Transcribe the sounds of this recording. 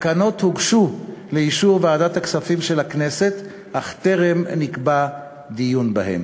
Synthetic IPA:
kano̞t̪huɡʃuleiʃuʁveaːdat̪haksafimʃe̞lakne̞se̞t | ʔaχt̪e̞ʁe̞mnikba | d̪ijunbahḛm

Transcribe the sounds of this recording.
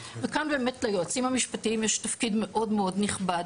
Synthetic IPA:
vekanbeːmetlajoat͡simhamiʃpatiimjeʃtafkidme̞ʔo̞dmeo̞dniχbad

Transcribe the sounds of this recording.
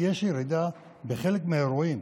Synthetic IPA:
jɛʃjeɾid̪a | beχelekmeeɾuim

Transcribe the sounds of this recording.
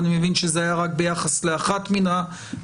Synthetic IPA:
nimevinʃezeajaʁak̚be̞jaχasle̞aχatmina

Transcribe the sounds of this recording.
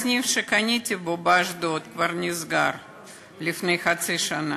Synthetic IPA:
nʲifʂɨkɐnʲit̪ʲɪbobaʐd̪ot̪kvɐrnʲɪzɡar | lʲɪfnɨjxɐt̪sɨʂɐna

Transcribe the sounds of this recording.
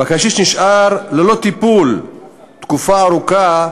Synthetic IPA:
bakaʃiʃniʃʔaɾlelo̞t̪ipul | t̪kufaːɾuka

